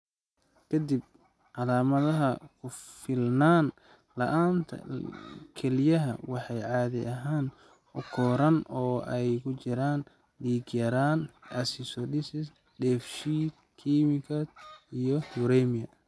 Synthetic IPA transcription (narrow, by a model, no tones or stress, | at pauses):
kʰɐd̪ib̚ | ʕɑlaːmɐðɐɦɐkʰʊfɪlnaːn | lɐʔaːnt̪ʰɐ̰kʰɛlɪjɐɦɐ̰wɑħɑjʕɑːðɪɐɦaːn | ʊkʰɔːɾɐnɔːɛjkʰʊt͡ʃɪɾaːn | diːɡjɐɾaːnɐsɪsɔdɪsɪs | dɛːfʃiːd̪̚ | kʰimɪkʰɐd̪ijɔhʊɾɛmɪjɐ